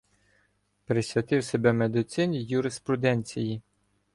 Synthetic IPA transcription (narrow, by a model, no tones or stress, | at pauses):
pɾɪsʲʋʲɐt̪ɪwsebɛmed̪ɪt̪sɪnʲijʊɾespɾʊd̪ɛnʲt͡sʲiji